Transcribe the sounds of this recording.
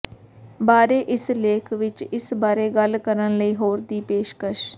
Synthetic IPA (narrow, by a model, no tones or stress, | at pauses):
baːɾeːʔɪsleːkʰʋɪt͡ʃɪsbaːɾeːɡəlkəɾənləiːɦoːɾd̪iːpeːʃkəʃ